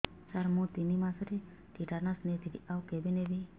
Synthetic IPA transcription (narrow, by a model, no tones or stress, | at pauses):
saɾmũt̪inimasɾi | ʈiʈanasnet̪idiʔawkebinebi